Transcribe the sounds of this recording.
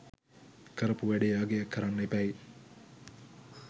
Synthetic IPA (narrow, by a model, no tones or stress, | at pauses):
kəɾəpuʋæɖejaːɡejakːɐɾanːepæj